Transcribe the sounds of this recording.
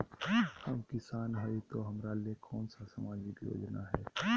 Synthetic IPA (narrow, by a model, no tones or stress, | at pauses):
hɐmkɪsaːnɦəit̪oɦɐmɾalekʰɔːnsasamaːd͡ʒɪkjo̰ːd͡ʒnaɦɛː